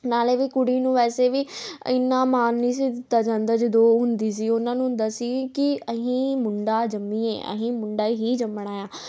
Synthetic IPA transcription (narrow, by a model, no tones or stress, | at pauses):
naːleːʋiːkʊɽiːnũːʋɛːseːʋiːɪ̰nːãːmaːnːiːs̬iːd̪ɪt̪ːaːd͡ʒãːnd̪aːd͡ʒəd̪oːɦʊnd̪iːs̬iːʊnãːnũːd̪əsĩːkɪəɦĩːmʊɳɖaːd͡ʒəmːĩːḛːʔə̰ɦĩːmʊɳɖaːɦiːd͡ʒəmːəɽ̃aːjaː